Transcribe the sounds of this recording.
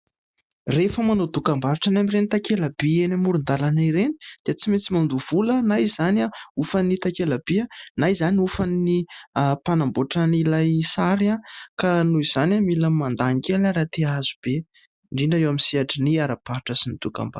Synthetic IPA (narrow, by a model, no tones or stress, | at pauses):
refəmanod̪ukambaɾiʈ͡ʂanamirenit̪akelab̥ienamuɾund̪alanajɾeni̥d̪̥iət͡simet͡simand̪uv̥ulənajz̥anaufanit̪akelab̥ianajzaniufanipanamboʈ͡ʂənilajsaɾiakanuiz̥anʲamilamand̪aŋkʲelaɾat̪eaz̥ub̥e | ɳɖ͡ʐinaewamisiaʈ͡ʂiniaɾapaɾiʈ͡ʂəsinid̪uka̰mba̰